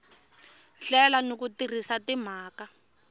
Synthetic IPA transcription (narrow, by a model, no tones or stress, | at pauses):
ɬɛlanok̬utir̤isatim̤aːka